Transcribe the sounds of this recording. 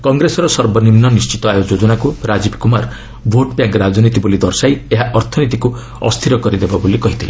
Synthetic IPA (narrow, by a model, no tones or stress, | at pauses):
kɔŋɡɾesɔɾɔsɔɾbɔnimnɔnist͡ʃit̪ɔajod͡ʒɔd͡ʒɔnakuɾad͡ʒibkumaɾ | bʱoʈpjaŋkɾad͡ʒɔnit̪ibolid̪ɔɾsajeɦaʔɔɾt̪ʰɔnit̪̬iku | ɔ̰st̪ʰiɾɔkɔɾid̪ebabolikɔɦit̪ʰile